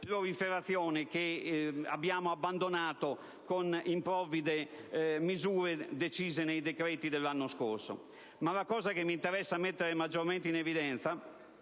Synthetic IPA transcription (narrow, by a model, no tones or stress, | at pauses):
pɾoɾifeɾat̪θːjɔːnekea̰bːjaːmoabːand̪onaːt̪o | konimpɾɔvid̪emizuːɾed̪et͡ʃiːzenejd̪ekɾɛːt̪id̪elːanːoskoɾso̰ | malakɔːzakemːint̪eɾɛsːamet̪ːeɾemad͡ʒːoɾment̪einevid̪ɛnt̪sa